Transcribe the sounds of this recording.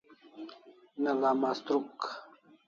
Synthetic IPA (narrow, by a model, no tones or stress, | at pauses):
nɐlaːmast̪ɾuk